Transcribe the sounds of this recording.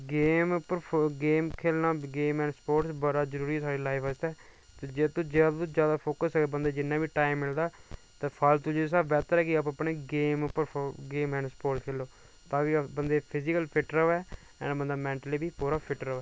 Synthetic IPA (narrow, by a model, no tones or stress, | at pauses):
ɡeːmpəɾɡeːmkʰeːlnaːɡeːmɛ̃ːɳɖspoːʈsbəɾaːzəɾuːɾiːɛːsʰaːɖiːlaːifʰad͡ʒt̪aɛː | t̪eːd͡ʒet̪ʊd͡ʒeːaʊzjaːd̪aːpʰoːkəsəɡebənd̪eːd͡ʒɪnːãːbiːʈaːimːɪld̪aː | t̪ãːpʰalt̪ʊd͡ʒios̬aːbɛːt̪əɾɛːkɪapəpneːɡeːmpəɾʰɡeːmɛ̃ːɳɖspoːɾʈskʰeːlːoː | t̪ãːkɪbənd̪eːpʰɪzɪkəlpʰɪʈɾəʋɛː | ɛ̰̃ːɳbənd̪aːmɛ̃ːɳʈəliːbʱiːpoːɾaːpʰɪʈɾəʋɛː